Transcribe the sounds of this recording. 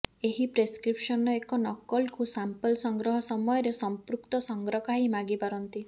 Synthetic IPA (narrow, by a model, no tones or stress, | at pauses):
eɦipɾeskɾipʃɔnɔekɔnɔkɔlkusampɔlsɔŋɡɾɔɦɔsɔmɔjɔɾesɔmpɾukt̪ɔsɔŋɡɾɔkaɦimaɡibaɾɔnt̪i